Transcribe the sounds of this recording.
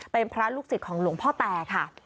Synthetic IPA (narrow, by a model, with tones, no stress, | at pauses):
pe˧npʰɾa˦˥luː˥˩k̚si˨˩t̪̚kʰɔː˩˦ŋlu˩˦ŋpʰɔː˥˩t̪ɛː˧kʰa˥˩